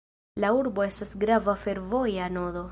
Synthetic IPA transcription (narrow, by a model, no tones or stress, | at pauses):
lauɾbo̞e̞stasɡɾavafe̞ɾvo̞jano̞d̪o̞